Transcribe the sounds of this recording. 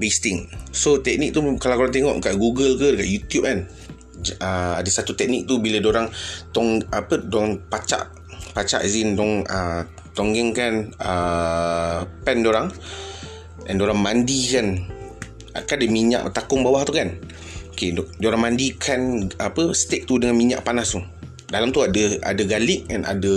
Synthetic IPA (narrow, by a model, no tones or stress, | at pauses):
best̪iŋsot̪ɛk̚nik̚t̪ukalawkoɾaŋt̪eŋɔ̰ʔkaʔɡuɡəlkədəkaʔjut̪jup̚kan | əadasat̪ut̪ɛk̚nik̚t̪ubiladoɾaŋt̪ɔŋapədɔaŋpat͡ʃa̰ʔ | pat͡ʃa̰ʔzindɔŋə | t̪ɔŋɡɛŋkanə | pɛndoɾaŋ | ɛ̰ndoɾaŋmandikan | a̰kadəmiɲa̰ʔət̪akʊŋbawaht̪ukan | okedoɾaŋmandikʰanapəst̪ek̚t̪udəŋanmiɲa̰ʔpanast̪u | dalamt̪uadaa̰daɡalɪk̚ɛna̰da